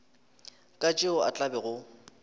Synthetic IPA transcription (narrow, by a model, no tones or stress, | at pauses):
kʼat͡ʃʼɪɔa̰t͡ɬʼabɛɣʊ